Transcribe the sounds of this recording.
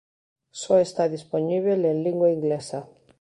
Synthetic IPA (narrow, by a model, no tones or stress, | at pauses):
soest̪aðisponiβ̞elenliŋɡwaiŋɡlesa